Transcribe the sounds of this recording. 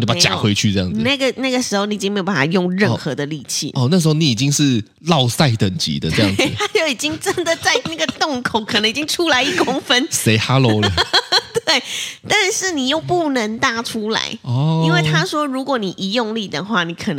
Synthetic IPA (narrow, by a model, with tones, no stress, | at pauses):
o˥˩pa˦˩t͡ɕja̰˨˩xwe˧˥ɪt͡ɕʰy˥˧ʈ͡ʂɤ˥˧jɑ̰˥ŋ̩˨˧na˥˩ɡə˩na˥˩ɡə˩ʂɻ̩˧˥xo˥˧ʊni˧˩˨i˥ŋme˧˥jo˨˩pa˥˩a˨˩jʊ˥˧ŋɻə˥˩xɤ˧˦d̪ə˨li˨˩t͡ɕʰḭ˨˩ɔ˥˧˨n˥˩əʂ̬̩˧˥o˥˧ni˨˦i˨˩t͡ɕi˦ŋʂɻ̩˥˧ | lɑ˥˨˧ʊsa˥˩ɪt̪ə˨˩ŋt͡ɕḭ˨˥d̪ə˧ʈ͡ʂə˥˧jɑ˥˨ŋt̪ʰa˥t͡ɕjo˥˩ʊi˨˩t͡ɕi˦˥ŋʈ͡ʂə˦˥nd̪ə˨t͡sa˥˧ɪna˥˩ɡə˩˨t̪ʊ˥˩ŋkʰo˨˩˦kʰə˨˩nə˧˦ŋi˨˩t͡ɕi˦˥ŋʈ͡ʂʰu˥la˧˥ɪi˥˩kʊ˥ŋfə˦nse˧˥ɪxa˥lo˧˥lə˧t̪we˥˩ɪt̪a˥˧nʂɻ̩˥˩ni˨˩jo˥˧ʊpu˥˩nə˧˦˥ŋt̪a˥˩ʈ͡ʂʰu˥la̰˧˦ɪɔ˩i˥nwe˥˩ɪt̪ʰa˥ʂwɔ˥ɻu˧˥kwɔ˨˧˦ni˨˩ʔi˧˥jʊ˥˧ŋli˥˩d̪ə̰˨˩xwa˥˩ni˨˧˦kʰə˨˩n˧